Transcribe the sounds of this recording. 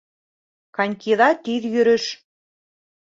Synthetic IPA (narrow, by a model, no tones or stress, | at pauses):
kɑnʲkiðɑt̪iðjyɾɘ̆ʃ